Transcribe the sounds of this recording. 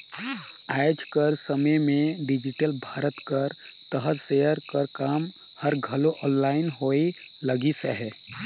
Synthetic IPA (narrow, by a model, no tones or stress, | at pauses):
ajd͡ʒkəɾsəməjmẽɖid͡ʒiʈəlbʱaːɾət̪kəɾ | t̪əɦət̪sejəɾkəɾkaːm | həɾɡʱəloʔɔːnlaːɪnɦoi | ləɡisəɦɛ